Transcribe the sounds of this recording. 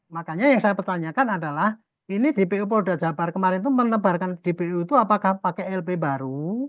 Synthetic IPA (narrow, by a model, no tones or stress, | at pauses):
makaɲajaŋsajapərt̪aɲakanadalah | inid̥epeup̬ɔdaʔdd͡ʒabarkəmaɾɪnt̪umənəbarkand̥epeut̪uapakahpakɛɛlbebaɾu